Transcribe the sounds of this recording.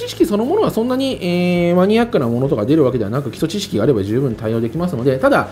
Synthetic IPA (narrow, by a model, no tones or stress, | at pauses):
t͡ɕiɕi̥kʲiso̞no̞mo̞no̞asõ̞nːaɲ̟ieːmaɲ̟iakːɯ̟namo̞no̞t̪o̞kad̪e̞ɾɯβaked̪e̞a̰nakɯ̟kʲi̥t̪o̞t͡ɕiɕi̥kʲiɡaɾe̞baʑɨːbɯ̟̃nt̪aio̞ːd̪e̞kʲimasɨno̞d̪e̞t̪ad̪a